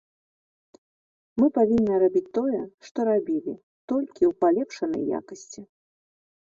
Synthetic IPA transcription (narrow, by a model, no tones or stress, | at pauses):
mɨpavʲinːɨɾabʲit͡sʲt̪ɔjɛʂt̪ɔɾabʲilʲi | t̪ɔlʲkʲiwpalʲɛpʂɐnɐ̰jːa̰kɐsʲt͡sʲi